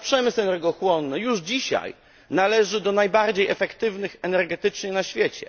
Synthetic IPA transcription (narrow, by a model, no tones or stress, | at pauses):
pʂɛmɘsɛnɛɾɡɔxwɔnːɘjuʐd͡ʑiɕa̰j | nalɛʐɘd̪ɔnajbaɾd͡ʑejɛfɛkt̪ɘvnɘxɛnɛɾɡɛt̪ɘt͡ʂɲɛnaɕfʲjɛt͡ɕɛ̰